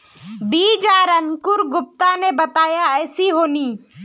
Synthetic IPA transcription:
biːd͡ʒaːɾɐŋkʊɾɡʊp̚t̪anebɐt̪aːjaɛːsiɦoːniː

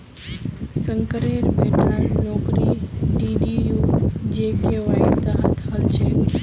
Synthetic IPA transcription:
səŋkəɾeɾbenaɾnɔkɾiɖiɖijud͡ʒekeʋaɦit̪aɦə̰t̪ʰɦəlt͡ʃʰe

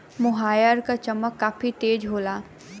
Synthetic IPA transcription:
mʊɦaːjəɾkat͡ʃɐməkːaːfit̪eːd͡ʒɦoːlaː

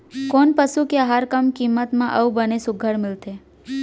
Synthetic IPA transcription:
konpəʃukeəɦaɾkəmkimːət̪mãʔəubənesʊɡʱəɽmɪlt̪e

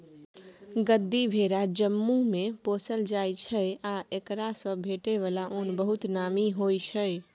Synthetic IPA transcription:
ɡəd̪ʱːibʱeɾad͡ʒəmːumeposəld͡ʒajt͡ʃʰəjaekɾasə̃bʱeʈeβalaʔonbəɦut̪namiɦojt͡ʃʰəj

